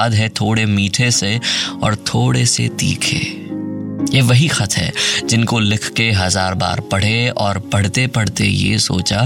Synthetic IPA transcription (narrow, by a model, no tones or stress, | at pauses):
d̪ɦɛt̪ʰoːɽemiːʈʰeseɔːɾt̪ʰoːɽesḛt̪ḭːkʰḛː | jeʋɐɦixɐt̪ʰɦɛ̰ːd͡ʒɪnkolɪkʰkeɦɐzaːɾba̰ːɾpɐɽ̤eɔːɾpɐɽ̤t̪epɐɽ̤t̪ḛjḛso̰ːt͡ʃa